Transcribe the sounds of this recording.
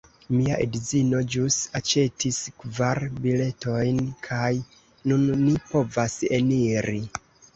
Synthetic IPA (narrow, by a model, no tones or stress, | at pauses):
miaʔidzino̞d͡ʒusat͡ʃe̞tʰiskvaɾbile̞to̞jnkʰaj | nunːipo̞vaseniɾi